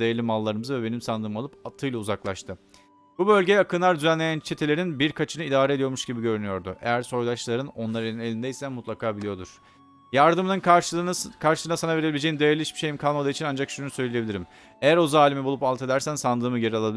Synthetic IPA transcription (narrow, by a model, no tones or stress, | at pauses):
d̪ajalʲimalˠːaɾɯmɯzɯvɛbe̞nimsand̪ɯːmalˠɯpat̪ʰːɯjlˠauzaklˠaʃt̪ʰɯ | b̥ubø̞lʲɟejɛakʰɯnˠaɾd̪yzænlʲejænt͡ʃʰet̪ʰelʲe̞ɾinbiɾkʰat͡ʃʰɯnɯid̪aːɾed̪ijo̞ɾmuʃɟibiɟø̞ɾynyjo̞ɾd̪ʊ̰ʔḛjæɾso̞jlˠaʃlˠaɾɯno̞nlˠaɾeine̞lʲind̪ejsæmut̪ʰlˠakʰaːbilʲijo̞d̪uɾ̥ | jaɾd̪ɯmɯnɯn | kʰaɾʃɯsɯnasanave̞ɾebilʲid͡ʒejind̪ajaɾlʲˠiʃbi̥ʃe̞jimkʰalˠmad̪ait͡ʃʰinand͡ʒakʃunusø̞jlʲeje̞bilʲiɾim | ejæɾo̞zaːlʲimɛbulˠupalˠt̪ʰe̞d̪æɾsænsand̪ɯːmɯɟe̞ɾialˠabi